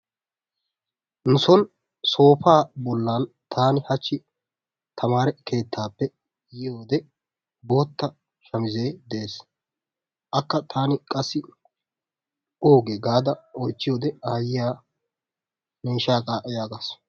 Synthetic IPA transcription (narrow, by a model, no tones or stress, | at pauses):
nʊsɔn | so̞ːpaːbɔlːaːn | t̪ʰaːnɪhɐt͡ʃːɪ | t̪ʰɐmaːɾɛke̞ːt̪ʰːaːpːɛ | jɪjoːd̪ɛ | bo̞ːt̪ːɐ | ʃɐmɪze̞ːd̪ɛeːs | ʔɐkːɐt̪ʰaːnɪkʼɐsːɪ | oːɡeɡaːd̪ɐɔjt͡ʃːɪjoːd̪ɛaːjɪjaː | niːʃaːkʼaːʔɛjaːɡas